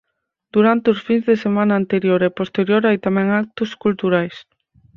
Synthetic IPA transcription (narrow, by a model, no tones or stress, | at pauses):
d̪̥uɾant̪eosfiŋzðesemãnaːnt̪eɾjoɾɛpost̪eɾjoɾajt̪amɛ̃ŋak̚t̪ʊskult̪uɾajs